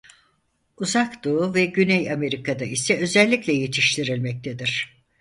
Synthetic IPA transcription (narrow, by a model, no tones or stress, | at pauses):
uzakd̪̥ouvɛɟynɛjame̞ɾikʰad̪aisɛø̞zɛlʲːicʲlʲɛjet̪ʰiʃt̪ʰiɾilʲmɛc̚t̪ʰed̪iɾ̝̥